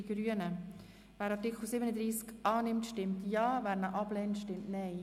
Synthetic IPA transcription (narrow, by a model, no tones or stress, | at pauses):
iɡ̥ɾyənə | væːɾɑtɪkχəl̩sɪbənəd̪ɾiːskʔɑːnɪmtʃtɪmtjɑːvæːɾnəʔɑb̥lɛntʃtɪmtnɛɪ